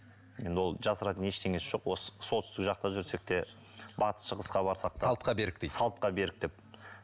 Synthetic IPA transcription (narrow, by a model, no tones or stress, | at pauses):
je̞nd̪ɪwo̞lˠʒɑsəɾɑt̪əne̞ʃt̪ʰe̞ŋʲe̞sɪʒ̥o̞qwo̞sə̥solt̪ʏst̪ɪkʒɑq̚t̪ɑʒʏɾse̞k̚t̪e̞ | bɑt̪əsʃəʁəsqɑbɑɾsɑq̚t̪ɑlˠt̪qɑbeɾɪk̪sɑlˠt̪̚qɑbe̞ɾɪk̚d̪e̞p̚